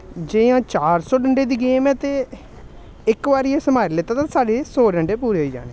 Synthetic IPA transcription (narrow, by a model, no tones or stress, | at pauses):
d͡ʒeãːt͡ʃaːɾsɔːɖəɳɖeːd̪iːɡeːmɛːt̪eː | ɪkʋaːɾiːeːsəmaːɾilet̪aːt̪ãːsaːɖeːsoːɖəɳɖeːpuːɾeːɦoiːd͡ʒa̰ːneː